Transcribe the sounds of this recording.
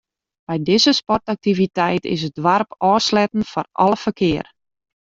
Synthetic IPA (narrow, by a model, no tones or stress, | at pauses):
m̥ɛjdɪzəspɔrtak̚tivitɛjtɪ̰s̬ədʋarpɔːslɛtn̩fɔrʔɔ̰lˠəfərkʰɪər